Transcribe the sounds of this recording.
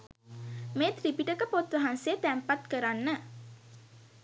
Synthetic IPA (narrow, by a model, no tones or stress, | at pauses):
meːt̪ripiʈəkəpot̪ʋəɦansəjət̪æmpat̪kəɾanːə